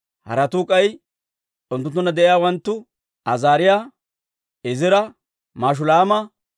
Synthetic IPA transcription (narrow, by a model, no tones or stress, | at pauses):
hɐ̰ɾɐt̪uːkʼɐj | ʊnt̪ːʊnt̪ːʊnːɐd̪ɛʔɪjaːwɐnt̪ːʊ | ɐzaːɾɪjaː | ɪzɪɾɐ | maːʃ̬ʊlaːmɐ